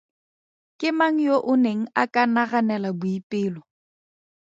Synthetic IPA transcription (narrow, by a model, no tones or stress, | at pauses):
kʼɪmaŋ̩joʔʊneŋ̩akʼanaɣanɛlabʊipʼɪːlɔ